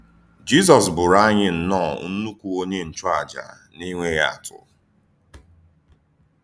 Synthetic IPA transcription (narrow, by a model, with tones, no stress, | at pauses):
d͡ʒi˦zɔ˨sbʊ˨ɾa˦ɲɪ˦n̩˨nɔ˦˨n̩˦nu˦kʷu˨o˦ɲe˦n̩˦t͡ʃʊ˦a˨d͡ʒa̰˨ | ni˦ŋʷe˦ja̰˦˨tʰʊ̰˨